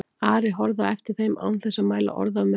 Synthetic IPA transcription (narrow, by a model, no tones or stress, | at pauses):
aːɾɪɦɔɾðaɛft̪ɪɾ̥θejma̰wnθɛsːamaːjla̰ʔɔ̰ɾðam